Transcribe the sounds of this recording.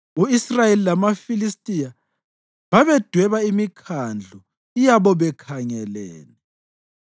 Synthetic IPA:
uisrajelilamafilistʼija | βaβɛd̥ʱwɛβaimikʰand͡ɮʱɔ | ijaβɔβɛkʰaŋɛlɛ̰ːnɛ

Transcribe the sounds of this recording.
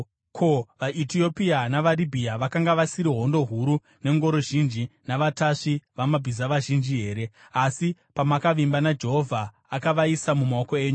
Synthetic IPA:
kʰo̞ʋaʔitio̞pianaʋaribʱiaʋakaŋɡaʋasiɾiɦo̞ndo̞ɦuɾu | ne̞ŋɡo̞ɾo̞ʒind͡ʒinaʋataʂiʋamabʱizaʋaʒind͡ʒiɦe̞ːɾe̞ | asipamakaʋimbanad͡ʒe̞ɦo̞vʱaː | kaʋaisamumaoko̞e̞ːɲu

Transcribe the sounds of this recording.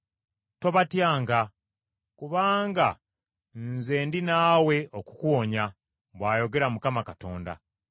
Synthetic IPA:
to̞βatjaːŋɡa | kuβaːŋɡa | nze̞ːndinaːwe̞oku̥kuwo̞ɲa | βwaːjo̞ɡe̞ɾamukamakato̞̰ːnda̰

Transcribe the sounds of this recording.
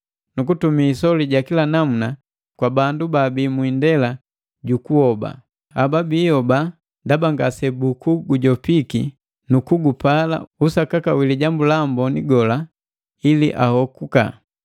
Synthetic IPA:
nukutumiːsɔliɟakilanamuna | kwabandubabiːmwindɛla | ɟukuhɔba̰ | ababiːhɔba | ndabaŋɡasɛbukuɡuɟɔpiki | nukuɡupala̰usakakawiliɟambulambɔniɡɔla | ilḭʔa̰hɔkuka̰

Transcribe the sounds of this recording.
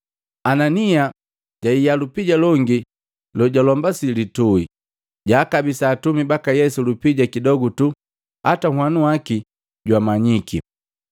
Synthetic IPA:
anania | ɟ̥aijalupiɟalɔŋɡi | lɔɟalɔmbasilitui | ɟaːkabisaːtumibakajɛsulupiɟakidɔɡutu | atahwanuwaki | ɟwamaɲiki

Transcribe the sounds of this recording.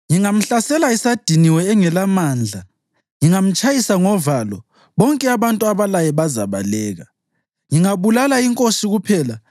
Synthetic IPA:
jiŋam̩ɬasɛlaisad̥ʱiniwɛːŋɛlamaːnd͡ɮʱa | jiŋam̩t͡ʃʼajisaŋɔvalɔ | βɔŋkʼɛaβantʼuaβalajɛβazaβalɛːɣa | ŋiŋaβulalaiŋkʼosiɣupʰɛːla

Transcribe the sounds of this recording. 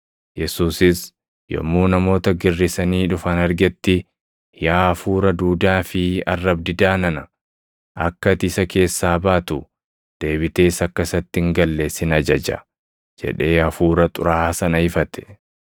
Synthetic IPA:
jɛsuːsɪs | jɔ̰mːuːnɐmo̞ːt̪ɐɡɪrːɪsɐniːᶑʊfɐnɐɾɡɛt̪ːɪ | jaːfuːɾɐd̪uːd̪aːfɪɐ̰rːɐbd̪ɪd̪aːnɐnɐ | ʔɐkːɐt̪ɪsɐkʰe̞ːsːaːbaːt̪ʊ | d̪̥e̞ːbɪt̪e̞ːsɐkːɐsɐt̪ːɪŋɡɐlːe̞ːsːɪnɐd͡ʒɐd͡ʒɐ̰ | d͡ʒɛ̰ᶑe̞ːɐfuːɾɐt̪ʼʊ̰ɾaːsɐnɐhɪfɐt̪ɛ̥

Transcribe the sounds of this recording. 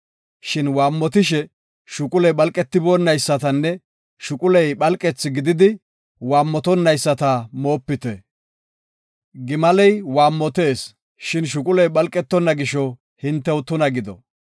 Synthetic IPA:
ʃɪnwaːmːɔt̪ɪʃ̬ɛ | ʃʊkʼʊlɛjɓɐlkʼːɛt̪ːɪboːnːɐjsːɐt̪ɐnːɛ | ʃʊkʼʊlɛjɓɐlkʼɛt͡sːɪɡɪd̪ɪd̪ɪ | waːmːɔt̪ɔnːɐjsːɐt̪ɐmo̞ːpːɪt̪ɛ | ɡɪmɐlɛjwaːmːɔt̪e̞ːs | ʃɪnʃ̬ʊkʼʊlɛjɓɐlkʼːɛt̪ːɔnːɐɡɪʃɔ | hɪnt̪ːɛwt̪ʊnɐɡɪd̪ɔ̰

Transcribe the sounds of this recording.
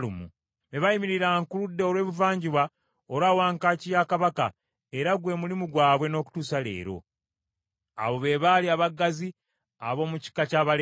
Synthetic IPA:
umṵ | ne̞βajimiɾiɾaŋkuludːe̞o̞lwe̞ːβuvaːɲɟiβwa | oɾawaːŋkaːcijakaβaka | e̞ɾaɡwe̞ːmulimuɡwaːβwe̞no̞ːku̥tuːsale̞̰ːɾo̞̰ | a̰βo̞βe̞βaliaβaɡːazi | aβo̞ːmuci̥kːacaːβal

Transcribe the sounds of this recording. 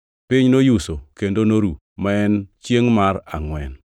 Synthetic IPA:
piɲnojusokendonoɾu | maɛnt͡ʃjeŋmaraŋwɛn

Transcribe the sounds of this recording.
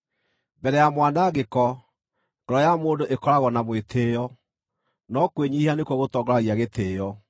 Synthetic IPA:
bɛɾɛjamwanaɣekɔ | ŋɡɔɾɔjamoːndoʔekɔɾaɣɔnamwetʰeːjɔ | nɔkweɲihanekwɔɣotɔːŋɡɔɾaɣiaɣetʰeːjɔ

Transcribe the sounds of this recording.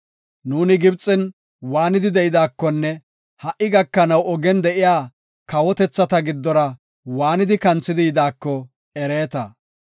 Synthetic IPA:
nuːnɪɡɪbt͡sʼːɪn | waːnɪd̪ɪd̪ɛʔɪd̪aːkːɔnːɛ | hɐʔɪɡɐkːɐnɐwɔɡɛnd̪ɛʔɪjaː | kɐwɔt̪ɛt͡sːɐt̪ɐɡɪd̪ːɔɾɐ | waːnɪd̪ɪkɐnt͡sːɪd̪ɪjɪd̪aːkːɔ | ɛɾe̞ːt̪ɐ

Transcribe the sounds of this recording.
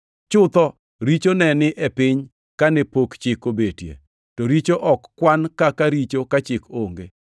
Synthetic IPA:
t͡ʃʊt̪ɔ | ɾit͡ʃonɛnɪʔɛpɪɲ | kanɛpokt͡ʃɪkobetjḛ | tɔɾit͡ʃoʔɔkːwankakaɾit͡ʃokat͡ʃɪkoŋɡe

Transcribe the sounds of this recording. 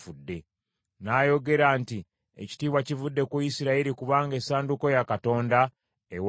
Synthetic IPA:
fudːe̞ | naːjo̞ɡe̞ɾaːnti | ḛci̥tiːβwacivudːe̞kwuisiɾaiɾikuβaːŋɡe̞saːnduko̞jakato̞ːnda | ew

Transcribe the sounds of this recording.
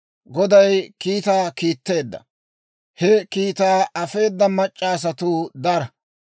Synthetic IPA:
ɡɔd̪ɐjkiːt̪aːkiːt̪ːe̞ːd̪ːɐ̰ | hɛkiːt̪aːʔɐfe̞ːd̪ːɐmɐt͡ʃʼːaːs̬ɐt̪ʊːd̪ɐɾɐ

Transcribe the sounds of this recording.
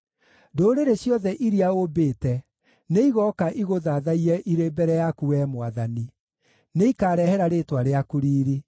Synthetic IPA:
doɾeɾeɕjɔðɛʔiɾiaobeːtɛ | neiɣɔkaʔiɣoðaðaiɾɛʔiɾebɛɾɛjakuwɛmwaðani | neikaːɾɛhɛɾaɾeːtwaɾeakuɾiːɾi

